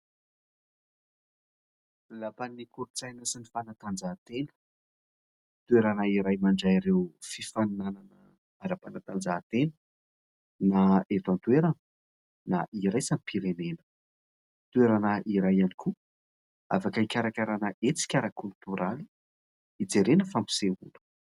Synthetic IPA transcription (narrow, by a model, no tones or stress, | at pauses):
lapanikuɾut͡sajnəsinifanat̪and͡zat̪enə̥ | t̪ueɾanaiɾajmaɳɖ͡ʐaiɾewfifanunananə | aɾapanat̪and͡zat̪enə | naet̪ant̪ueɾan | naʔiɾajsamipʰiɾenenə̥ | t̪ueɾanaʔiɾajaniku | a̰fakaikʲaɾakaɾanaʔet͡si̥kʲaɾakʰylt̪uɾali̥ | id͡zeɾenəfampi̥seṵlu̥